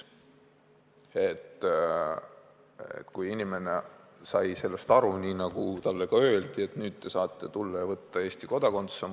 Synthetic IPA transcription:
e̞t̪ː | ḛt̪ːkujinime̞nesɑjse̞lːest̪ɑɾuniːnɑɡ̥ut̪ɑlːeɡ̥ɑø̞ːld̪̥ie̞t̪nyːd̪̥̚t̪e̞sɑːt̪ˑːe̞t̪ulːɑjɑvɤt̪ːɑe̞ːst̪iko̞d̪̥ɑko̞nt̪se

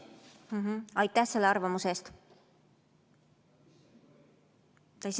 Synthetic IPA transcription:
ɦɑjt̪ːˑæhse̞lːeɑɾrvɑmuse̞st̪ | t̪ɑis

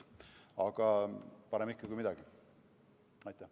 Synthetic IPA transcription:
ɑɡ̥ɑpɑɾemikːɑkujmid̪ɑɡ̥i | ɑjt̪ːˑæh

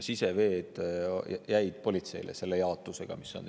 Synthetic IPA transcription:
sise̞ve̞ːd̪̥jæjd̪̥̚po̞lʲit̪se̞̰jlʔḛse̞lːejɑot̪ːˑuse̞ɡ̥ɑ̰misːo̞̰n

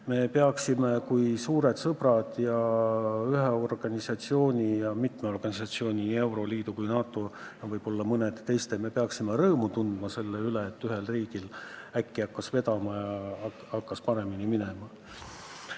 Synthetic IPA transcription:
me̞peɑksime̞kujsuːɾe̞d̪sɤb̥rɑd̪̥jɑ | yɦeo̞rɡ̥ɑnʲisɑt̪sio̞ːnʲijɑmit̪meo̞rɡ̥ɑnʲisɑt̪sio̞ːnʲinie̞wɾo̞liːd̪̥ukujnɑːt̪ːˑo̞jɑvɤjb̥o̞lːɑmɤned̪t̪e̞jst̪e̞me̞pe̞ɑksimeɾɤːmut̪und̪̥mɑse̞lːeyleːt̪ːyɦe̞lriːɡ̥ilækːiɑkːɑsve̞d̪̥ɑmɑjɑ | ɑkːɑspɑɾe̞minimine̞mɑ

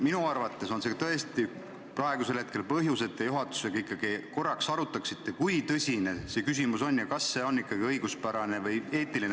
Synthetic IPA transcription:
minuɑrvɑt̪ːˑe̞so̞nse̞t̪ɤ̞e̞st̪i | prɑe̞ɡuselhe̞t̪ke̞lpɤɦjuse̞t̪ːˑejuɦɑt̪ːˑu̥se̞ɡ̥ɑikːˑɑɡ̥iko̞rːɑksɑɾut̪ːˑɑksit̪ːe̞kujt̪ɤsʲine̞se̞kys̬ʲimuso̞nːjɑkɑsːe̞o̞nːikːɑɡ̥iɤjɡ̥uspæɾɑne̞vɯje̞ːt̪ːˑiline

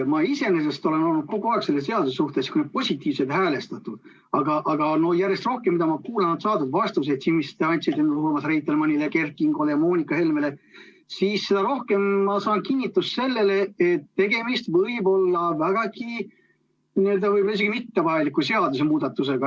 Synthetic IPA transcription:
mɑise̞ne̞s̬e̞st̪o̞le̞no̞lnud̪̥̚ko̞ɡuɑɦekse̞lːesse̞ɑd̪usesuht̪eskuned̪̥̚po̞sʲit̪ːˑiːvset̪hæːle̞st̪ɑt̪ud̪̥ | ɑɡɑʔɑɡ̥ɑno̞jærjest̪ro̞hkemːid̪ɑmɑkuːlɑnɑd̪sɑːt̪ud̪vɑst̪us̬et̪sinmist̪eɑnʲt̪sʲed̪enuluhmɑsrejt̪ːˑelmɑnʲileke̞rkˑiŋɡ̥olejɑmoːnʲikːˑɑhe̞lmele̞ | siːsːe̞d̪̥ɑɾo̞hke̞mːɑsɑːnkinʲːit̪ːˑusse̞lːele̞et̪ːe̞ɡe̞mist̪vɤjbo̞lːɑvæɡ̥ɑki | niøld̪ɑvɯjbolɑis̬e̞ɡ̥imit̪ːepɑjlikːus̬e̞ɑd̪us̬emuːd̪̥ɑt̪ːˑuse̞ɡ̥ɑ

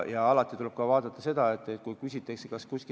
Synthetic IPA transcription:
jɑɑlɑt̪ːˑit̪uleb̥̚kɑvɑːd̪̥ɑt̪ːˑɑse̞d̪̥ɑe̞t̪ːˑe̞t̪kujkysʲit̪ːˑeksekɑskuski

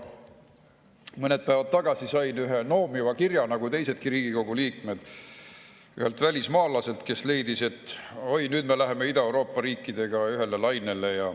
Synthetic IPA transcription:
mɤne̞d̪̚pæːvɑdt̪̚t̪ːɑɡ̥ɑsisɑjnyɦe̞no̞ːmivɑkirjɑnɑɡ̥ut̪e̞jse̞d̪̥kiɾiːɡiko̞ɡ̥uliːkme̞d̪̥ | yhe̞lt̪vælʲismɑːlɑse̞lt̪ke̞sle̞jd̪̥ise̞t̪ːojnyːd̪̥me̞læɦe̞me̞id̪̥ɑewɾo̞ːpːˑɑɾiːkːˑid̪̥e̞ɡ̥ɑyɦe̞le̞lɑjne̞le̞jɑ

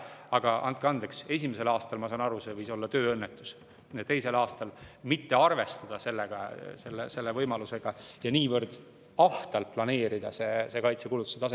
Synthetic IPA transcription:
ɑɡ̥ɑʔɑ̰nd̪̚kɑnd̪ekse̞s̬ʲimese̞lɑːst̪ɑlmɑsɑːnɑɾusevɤjso̞lːɑt̪øːɤnːet̪ːˑu̥s | et̪e̞jse̞lɑːst̪ɑlmit̪ːe̞ɑrve̞st̪ɑd̪̥ɑse̞lːeɡ̥ɑ̰se̞lːḛse̞lːevɤjmɑluse̞ɡ̥ɑjɑniːvɤrd̪̥ | ɑht̪ɑlt̪̚plɑne̞ːɾid̪̥ɑ̰se̞sekɑjt̪se̞kulut̪ːu̥seɑs̬e

